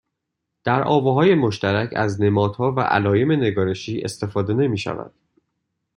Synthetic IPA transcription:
d̪̥æɾʔɒ̰ːbeɦɒːje̞moʃt̪æɾæcʰæ̰zne̞mɒːd̪̥hɒːvæ̰ʔæ̰lɒːje̞me̞ne̞ɡɒːɾe̞ʃiːʔe̞̰st̪e̞fɒːd̪e̞ne̞miːʃæ̰væ̰nd̥̪

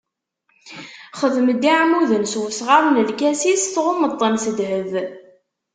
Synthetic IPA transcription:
χəðməd̪iʕmuðənswəsʁamnəlkæsisθʁomət̪ˤːənsəd̪həð

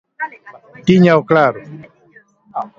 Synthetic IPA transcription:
t̪iɲawkɽaɾu

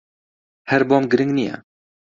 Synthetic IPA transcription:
hɛɾbɔmɡɨɾɨ̃ŋɡnijɛ̰

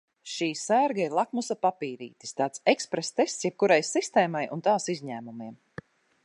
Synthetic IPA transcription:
ʃiːsæɾɡaiɾlˠakmusapapiːɾḭːt̪i̥st̪aːt̪sekspɾest̪est̪sjɛp̚kuɾajsist̪eːmajʔṵnt̪aːsizʲɲæːmumiɛm

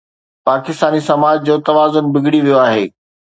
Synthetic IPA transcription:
paːkɪst̪aːnisɐmaːd͡ʑd͡ʑoːt̪ɐʋaːzʊnbɪɡʱɽiʋijoaːɦeː

